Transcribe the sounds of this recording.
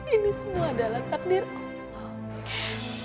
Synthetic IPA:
inisəmuaːdalaht̪ak̚dir

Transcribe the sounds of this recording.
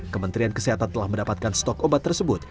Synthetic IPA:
kəmənt̪ɾiankəsiɦat̪ant̪əlahməndapat̪̚kanst̪ɔkobat̪ːərsəbʊt̪̚

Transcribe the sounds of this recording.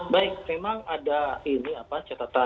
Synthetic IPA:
baɪk̚memaŋadainiapat͡ʃat̪at̪a

